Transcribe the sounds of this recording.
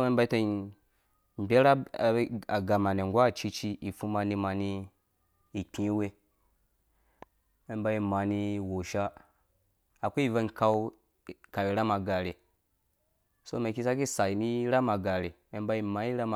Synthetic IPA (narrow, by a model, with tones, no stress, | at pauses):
me˦m˦ba˦i˦te˨i˨ | m˨bʲe˦ɾa˦˨˦ | a˨ɡa˨ma˨ne˨ŋ˨ɡʷa˦˨t͡ʃi˦t͡ʃi˦i˨fu˦ma˨ni˦ma˨ni˦ | i˨k͡pʲĩ˨˦we˦ | me˨˦ba˦i˨ma˨ni˦wo˨ʃa˦ | a˨kʷu˦i˦˨ve˦nka˦w | ka˨wi˨ɾa˦ma˨ɡa˨ɾe˨ | so˦me˨ki˦s̬a˦ki˦sa˨i˨ni˦ɾa˦ma˨ɡa˨ɾe˨me˨˦ba˧˦i˨ma˨i˦ɾa˦ma˨